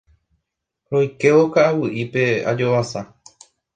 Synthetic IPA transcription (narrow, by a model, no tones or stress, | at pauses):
ɾo̞jke̞ʋokaawɨʔipe̞a̰d͡ʒo̞ʋasa